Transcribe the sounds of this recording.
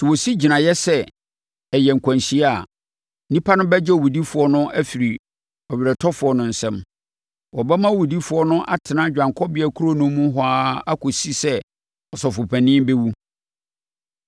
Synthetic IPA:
sɪ˨wo˨si˦d͡ʑi˨nã˨jɛ˦sɛ˦ | ɛ˨jɛ˨ŋ̩˨kʰã˨nɕi˦a˨ | nĩ˦pʰa˦nʊ̃˦bɛ˦d͡ʑɛ˦ɔ˨wu˨di˦fʊ˨ɔ˦nʊ̃˦ʔæ˦fi˨ɾi˨ | ɔ˨ɥɪ˨ɾɛ˨tʰɔ˦fʊ˨˦ɔ˦nʊ̃˨n̩˨sɛ̃˦m | wɔ˨bɛ˦mã˦wu˨di˦fʊ˨˦ɔ˦nʊ̃˦ʔa̰˨tʰɪ˨nã˦˨d͡ʑᶣã˨ŋkʰɔ˦bɪ˨˦æ˨kʰu˦ɾo˦nʊ̃˦mũ˦ɦɔ˨aː˦a˦kʰʊ˨si˦sɛ˦ | ɔ˨sɔ˨fʊ˨pʰæ˨nɪ̃˦be˦wu˦

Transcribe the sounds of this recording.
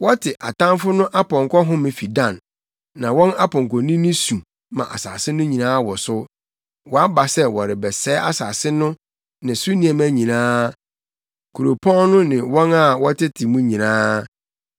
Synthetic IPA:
wɔ˦tʰɪ˨ʔa̰˨tã˦mfʊ˦nʊ̃˦ʔa˦pɔ̃˨ŋkʰɔ˦ɦʊ̃˦mɪ̃˨fi˨dã˨nː | ã˨wɔ̃˦na˦pʰɔ̃˨ŋ˨kʰɔ̃˨nĩ˦nĩ˦sũ˨ | mã̰˨ʔa̰˨sa̰ː˨sɪ˦nʊ̃˦ɲĩ˨nãː˦wɔ˨sʊ˦ | wɔ˨a˦ba˨sɛ˦wɔ˨ɾɪ˨bɛ˨sɛː˨˦a˦saː˨sɪ˦nʊ̃˦ | nɪ̃˨sʊ˦nĩ˨ɛ̃˨m˦æ˦ɲĩ˨nãː˦ | kʰu˨ɾo˨pʰɔ̃˦nʊ̃˦nɪ̃˨wɔ̃˦na˦wɔ˦tɪ˦tʰɪ˨mũ˦ɲĩ˨nãː˦

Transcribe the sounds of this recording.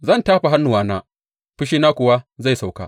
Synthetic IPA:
zɐ˦˨ntaː˦ɸa˨ɦa˦nːu˨waː˨˦naː˦ | ɸɪ˦ʃiː˦naː˦kʷʊ˨wa˦za˦˨sa˨wka̰ː˦

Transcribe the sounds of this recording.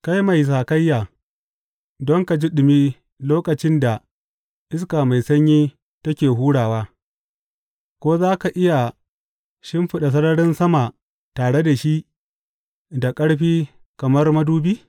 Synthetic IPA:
ka˦jma˨js̬aː˨kɐ˦jːaː˨ | dɔ˦ŋka˨d͡ʒi˦ɗɪ˨miː˦ | loː˦kɐ˨t͡ʃɪ˦nda˨ | ʔɪ˦skaː˨ma˨jsɐ˦ɲjiː˦ | tɐ˦kʲeː˨ɦuː˦ɽaː˨waː˦ | kʷoː˦zaː˦ka˨ʔɪ˦ja˨ | ʃɪ˦mɸɪ˦ɗa˨s̬ɐ˦ɽɐ˦ɽɪ˦nsɐ˦ma˨ | taː˨ɽe˦da˨ʃi˦ʔ | da˨kʼɐ˦ɽɸiː˦ | kɐ˨mɐ˦rmɐ˦duː˦biː˦

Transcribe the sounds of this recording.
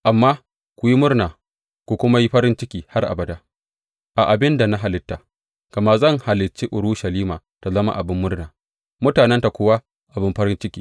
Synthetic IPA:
ʔa˨mːaː˦ | kʷʊ˨ji˦mʊ˦rnaː˨ | kʷu˨kʷʊ˦ma˦ji˦ɸɐ˦ɾɪ˦nt͡ʃɪ˦kʲiː˨ha˦rʔa̰˨bɐ˨da˦ | ʔa˨ʔa˨bɪ˦nda˨na˦ɦa˨lɪ˦tːa˨ | kɐ˨maː˦zɐ˦˨ŋha˨lɪ˨t͡ʃːeː˦ʔʊ˨ɾu˦ʃɐ˨liː˦maː˨ta˨zɐ˦ma̰˦ʔa˨bɪ˦mːʊ˦rnaː˨ | mʊ˦taː˨nɛ˦nta˨kʷʊː˦wa˦ | ʔa˨bɪ˦mɸɐ˦ɾɪ˦nt͡ʃɪ˦kʲiː˨

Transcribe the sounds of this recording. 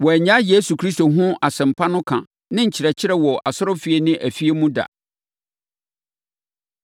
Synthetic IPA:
wɔ˨æ˨ɲã˦je˦su˨kʰɾi˦sto˨ɦʊ̃˦a˨sɛ̃˨m̩˨pʰa˦nʊ̃˦kʰã˨ | nɪ̃˦ɲ̩˨t͡ɕʰɪ˨ɾɛ˨t͡ɕʰɪ˦ɾɛ˦wɔ˨ʔa˨sʊ˦ɾɔ˦fi˨e˨nɪ̃˦ʔæ˨fi˦e˦mũ˦da̰˨

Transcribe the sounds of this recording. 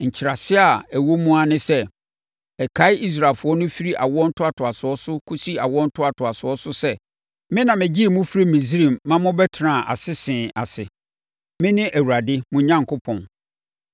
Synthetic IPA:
ɲ̩˨t͡ɕʰɪ˨ɾa˨sɪ˦a˨æ˨wo˦mũ˦a˨nɪ̃˦sɛ˦ | ɛ˨kʰa˦ɪ˦ʔi˦s̬ɾa˨lfʊ˨˦ɔ˦nʊ̃˦fi˦ɾi˦ʔa̰˨wɔ˦n̩˦tʰʊ˦a˨tʰʊ˨a˨sʊ˨ɔ˦sʊ˦kʰʊ˦si˦a˨wɔ˦n̩˦tʰʊ˦a˨tʰʊ˨a˨sʊ˨ɔ˦sʊ˦sɛ˦ | mɪ̃˦nã˨mɪ̃˨d͡ʑi˦˨mũ˦fɾe˦mĩ˨s̬i˦ɾĩ˨mːã˦mʊ̃˦bɛ˦tʰɾã˨ʔa̰˨sɪ˦sɪ̃ː˨a̰˨sɪ˨ | mɪ̃˦nɪ̃˦ʔæ˨wu˨ɾa˨dɪ˦mʊ̃˨˦ɲã˦ŋ˨kʰʊ˦pʰɔ̃˨n

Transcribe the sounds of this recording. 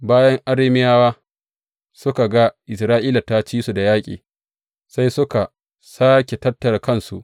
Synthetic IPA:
baː˦jɐ˦ŋʔa˦ɽeː˦mɪ˦jaː˦waː˦ | sʊ˦ka˨ɡa˦ʔɪ˨sɾaː˦ʔiː˦la˨ta˦t͡ʃiː˦su˨da˨jaː˦kʲʼḭː˨ | sa˦jsʊ˦ka˨ | saː˦kʲe˨tɐ˦tːɐ˨rkɐ˦nsṵ˨ʔ

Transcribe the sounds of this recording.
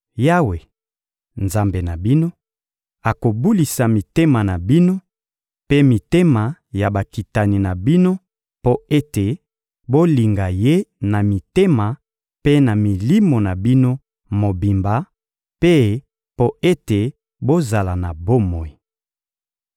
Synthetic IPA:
ja˦we˨ | nza˨mbe˨na˨bi˦no˦ | a˨ko˨bu˦li˨sa˨mi˨te˦ma˨na˨bi˦no˦ | pe˦mi˨te˦ma˨ja˨ba˨ki˨ta˨ni˨na˨bi˦no˦ | po˦e˦te˨ | bo˦li˨ŋɡa˨je˦na˨mi˨te˦ma˨ | pe˦na˨mi˨li˦mo˨na˨bi˦no˦ | mo˨bi˨mba˨ | pe˦ | po˦e˦te˨ | bo˦za˨la˨na˨bo˦mɔ˨i˨

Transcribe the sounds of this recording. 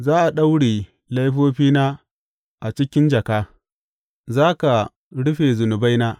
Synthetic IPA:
zaː˦ʔa˨ɗa˦wɽiː˨ | la˦jɸoː˦ɸiː˦naː˦ | ʔa˨t͡ʃɪ˦kʲɪ˦nd͡ʒɐ˨kaː˦ | zaː˦ka˨ | ɽʊ˦ɸeː˨zʊ˨nʊ˨ba˦jnaː˦

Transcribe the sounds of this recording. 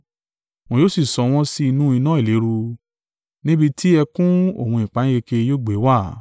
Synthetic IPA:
w̃ɔ̃˧joː˦si˦˨sɔ˨˧w̃ɔ̃˦si˦i˧nũ˦i˧nã˦i˦˨le˨˦ɾu˧ | nĩ˦bi˧tʰi˦ɛ˧kũ˦o̰˦˨wũ˧ĩ˨k͡pa˨˦ĩ˦ɡe˧ke˧joː˦˨ɡ͡be˨˦wa˦˨

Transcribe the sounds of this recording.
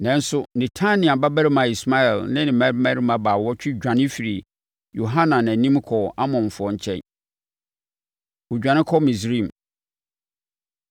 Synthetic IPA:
nɛ̃˨n̩˦sʊ˦nɪ̃˨tʰã˦nɪ̃˨a˨ba˦bæ˦ɾɪ˦mã˨i˨sma˦ɛ˨lnɪ̃˦nɪ̃˨mæ˦ɾmã˦ɾi˦mã˨baː˨wɔ˦t͡ɕᶣɪ˦d͡ʑᶣã˨nɪ̃˦fi˨ɾi˨ | jo˨ɦã˦nã˨nã˨nĩ˦m˦kʰɔ˨a˦mɔ̃˨n˨fʊ˨ɔ˦ɲ̩˦t͡ɕʰɛ̰̃˦˨n | ʊ˨d͡ʑᶣã˨nɪ̃˦kʰɔ˦mĩ˨s̬ɾĩ˦˨m˨

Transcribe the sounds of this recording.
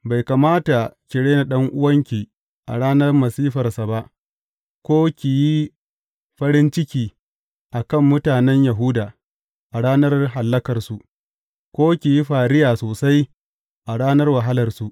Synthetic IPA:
ba˨jka˨maː˦ta˨kʲɪ˨ɽeː˦na˨ɗɐ˦ŋʔʊ˦wɐ˦ŋkʲiː˨ | ʔa̰˨ɽaː˦nɐ˦rmɐ˨siː˦ɸɐ˨rsa˨ba˦ʔ | kʷoː˦kʲi˨ji˦ | ɸɐ˦ɽɪ˦nt͡ʃɪ˦kʲiː˨ | ʔa˨kɐ˦˨mːʊ˦taː˨nɛ˦ɲja˨ɦʊ˦daː˨ | ʔa˨ɽaː˦nɐ˦rɦa˨lːɐ˦kɐ˨rsu˨ | kʷoː˦kʲi˨ji˦ɸaː˨ɽɪ˦jaː˨soː˨sa˦j | ʔa˨ɽaː˦nɐ˦rwa˨ɦa˦lɐ˨rsu˨ʔ

